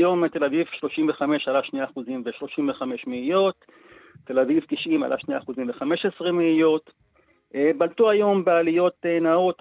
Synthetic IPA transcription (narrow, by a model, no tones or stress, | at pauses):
jo̞met̪e̞lavivʃlo̞ʃimveχame̞ʃalaʃneaχuzimveʃlo̞ʃimveχame̞ʃmeijo̞t̪ː | elavivkiʃima̰lʔa̰ʃniaːχuzimveχame̞ʃesʁemeijo̞t̪ | ebalt̪uajo̞mbealijo̞t̪enao̞t̪